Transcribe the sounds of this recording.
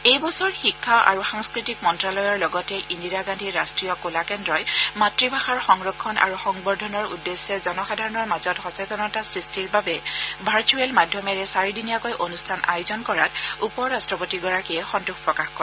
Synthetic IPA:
ejbɔsɔɹxikʰːaʔa̰ɹuxaŋskɹitik̚mɔntɹalɔjɔɹlɔɡɔtɛʔindiɹaɡandʱiɹastɹijɔkolakɛndɹɔjmatɹibʱaxaɹxɔŋɹɔkʰːɔnʔa̰ɹuxɔŋbɔɹdʱɔnɔɹṵdːesːɛzɔnɔxadʱaɹɔnɔɹmazɔtxɔsatɔnɔtasɹistiɹbabɛbʱaɹt͡ʃuɛlmadʱjɔmɛɹɛsaɹidinijakojʔonustʰana̰jʊzɔnkɔɹatupɔɹastɹɔpotiɡɔɹakiɛxɔntuxpɹɔkaxkɔɛ

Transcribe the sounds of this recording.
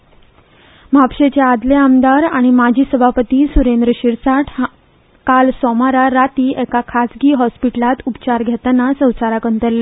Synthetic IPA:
m̤apɕet͡ɕead̪leamd̪aɾaɽ̃imad͡ʑʱiːsəbʱapət̪iːsuɾend̪ɾəɕiɾsaʈʰ | kalsɔmaɾaɾat̪iːʔɛkakʰasɡiːɦɔspiʈəlat̪upt͡ɕaɾɡʱɛt̪anasə̃w̃t͡saɾakənt̪əlːe

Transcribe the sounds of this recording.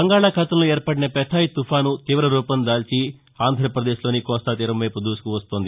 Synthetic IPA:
bɐŋɡaːɭaːkʰɐt̪ɐmloːeːɾpɐɽinɐpɛt̪ʰaːjit̪upʰaːnut̪iːʋɐɾɐɾuːpɐnd̪aːlt͡ʃi | aːnd̪ʱɾɐpɾɐd̪eːʃlo̞ːnikɔːst̪aːt̪iːɾɐmʋɐjpud̪uːsu̥kuʋɐst̪oːnd̪i

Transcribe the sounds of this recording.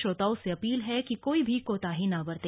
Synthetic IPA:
ʃoːt̪aːoseɐpiːlɦɛkikoːibʱikoːt̪aːɦinabɐɾt̪e

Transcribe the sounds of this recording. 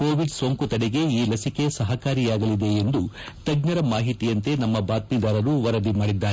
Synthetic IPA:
ko̞ːʋiɖsoːŋkut̪ɐɽeɡe̞iːlɐsike̞sɐɦɐkaːɾijaːɡɐlid̪e̞ːnd̪u | t̪ɐɡnɐɾɐmaːɦit̪ijɐnt̪e̞nɐmːɐbaːt̪̚mid̪aːɾɐɾuʋɐɾɐd̪imaːɽid̪ːaːɾe

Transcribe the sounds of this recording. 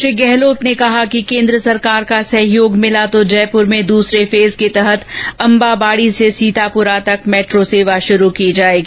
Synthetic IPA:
ʃɪɡɛɦloːt̪nekɐɦakikẽːnd̪ɾəsɐɾkaːɾkasɐɦɪjoːɡmɪlat̪od͡ʒɛːpʊɾmẽd̪uːsɾefeːzket̪ɛɦət̪ɐ̃mbabaːɽisesiːt̪apʊɾat̪ɐkmɛːʈɾoseːʋaʃʊɾukid͡ʒaːeːɡi

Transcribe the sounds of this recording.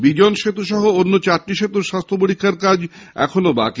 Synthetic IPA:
bid͡ʑonʃet̪uʃɔɦoonːot͡ɕaʈːiʃet̪uɾʃast̪ʰopoɾikʰːaɾkad͡ʑɛ̰kʰonoba̰k

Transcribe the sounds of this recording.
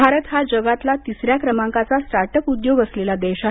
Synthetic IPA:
aɾət̪ɦad͡ʑəɡat̪lat̪issɾjakɾəmãŋkat͡sasʈaɾʈəkud̪joɡəslelad̪ɛɕa

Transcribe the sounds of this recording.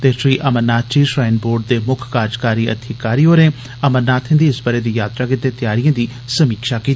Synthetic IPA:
t̪eːʃɾiːʔəmənaːt̪t͡ʃiːʃɾaːɪnboːɖ̚d̪eːmʊkʰkaːd͡ʒkaːɾiːə̰d̪ʰʱiːkaːɾiːɦoːɾẽː | əməɾnaːt̪ʰɪ̃nd̪iːɪsbəɾeːd̪iːjaːt̪ɾaːkɪt̪eːt̪ɪjaːɾijãːd̪iː | səmiːkʃaːkiːt̪ː

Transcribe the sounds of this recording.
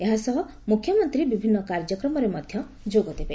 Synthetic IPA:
eɦasɔɦɔ | mukʰːjɔmɔnt̪ɾibibʱinːɔkaɾd͡ʒɔkɾɔmɔɾemɔd̪ʱjɔ | d͡ʒoɡɔd̪ebe

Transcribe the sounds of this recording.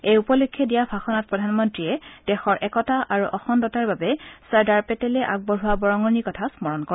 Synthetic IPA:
ejupɔlokʰːjɔdijabʱaxɔnat̚pɹɔdʱanmɔntɹiɛd̥ɛxɔɹʔɛkɔtaʔaɹuʔɔxɔndɔtaɹbabɛsaɹdaɹpɛtɛlɛʔaɡ̚bɔɹuwabɔɹɔŋɔnikɔtʰasmɔɹɔnkɔ

